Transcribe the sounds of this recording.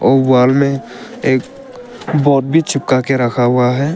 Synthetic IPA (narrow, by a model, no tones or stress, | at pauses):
ɔːwaːlmẽ | eːk | bɔːt̪̚bʱit͡ʃʰɪp̚kakeɾəkʰaɦʊaɦɛː